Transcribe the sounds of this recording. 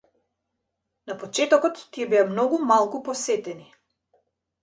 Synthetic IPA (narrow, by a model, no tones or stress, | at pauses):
napɔt͡ʃɛt̪ɔkɔt̪ːiɛbɛamnɔɡumalˠkupɔsɛt̪ɛni